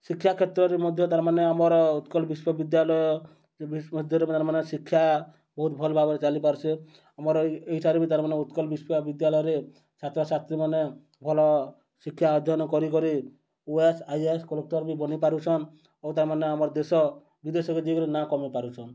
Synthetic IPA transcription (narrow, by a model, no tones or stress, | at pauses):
sikʰːjakʰet̪ɾɔɾemɔd̪ʱjɔt̪aɾmaneamɔɾɔut̪kɔlbiswɔbid̪jalɔjɔ | bmɔd̪ʱjɔɾet̪aɾmanesikʰːja | bɔɦut̪bʱɔlbʱabɔɾet͡ʃalipaɾt͡ʃʰe | amɔɾɔeɦiʈʰaɾebit̪aɾmaneut̪kɔlbiswɔbid̪jalɔjɔɾe | sat̪ɾɔsast̪ɾimane | bʱɔlɔ | sikʰːjaɔd̪ʱjɔnɔkɔɾikɔɾi | uesajeskɔlok̚ʈɔɾbibɔnipaɾut͡ʃʰɔn | owt̪aɾmaneamɔɾd̪esɔ | bid̪esɔked̪ikɔɾinakɔmipaɾut͡ʃʰɔn